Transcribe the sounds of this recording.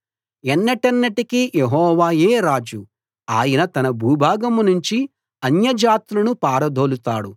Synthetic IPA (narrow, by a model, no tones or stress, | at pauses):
ɛnːɐʈɐnːɐʈikijeɦɔːʋaːjeːɾaːd͡ʒu | aːjɐnɐt̪ɐnɐbʱuːbʱaːɡɐmnuɲt͡ʃi | ɐnjɐd͡ʒaːt̪lɐnupaːɾɐd̪ʱo̞ːlut̪a̰ːɽu